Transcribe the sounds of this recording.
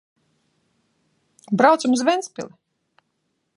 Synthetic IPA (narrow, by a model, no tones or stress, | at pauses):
bɾawt̪sumzvɛnspʲḭlˠi